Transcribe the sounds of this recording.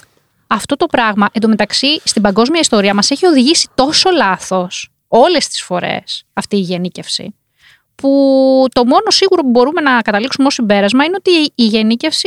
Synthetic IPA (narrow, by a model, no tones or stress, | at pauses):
ɐft̪o̞t̪o̞pɾɐɣmɐʔend̪ome̞t̪ɐksist̪ibɐŋɡo̞zmiɐist̪o̞ɾiɐmɐse̞çio̞ðiʝisi̥t̪o̞so̞lɐθo̞s | o̞le̞st̪i̥sfo̞ɾe̞̰sɐft̪iːʝe̞nice̞fsḭ | put̪o̞mo̞no̞siɣuɾo̞pubo̞ɾume̞nɐkɐt̪ɐliksumeosimbe̞ɾɐzmɐineot̪iːʝe̞nice̞fsi